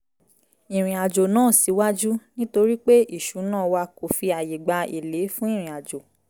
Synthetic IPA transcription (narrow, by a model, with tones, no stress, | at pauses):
ĩ˨ɾ̃ĩ˨a˨d͡ʒo˨nãː˦˨si˨˦wa˦d͡ʒu˦nĩ˦to˧ɾi˦k͡pe˦i˦˨ʃu˨˦nãː˦˨wa˧ko˨fi˧a˨je˨ɡ͡ba˧e˨le˨˦fũ˦ĩ˦˨ɾ̃ĩ˨a˨d͡ʒo˨